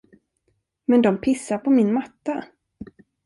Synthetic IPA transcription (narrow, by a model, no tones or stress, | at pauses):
mɛnd̪ɔmpʰɪsːaɾpʰɔmɪnmat̪ːa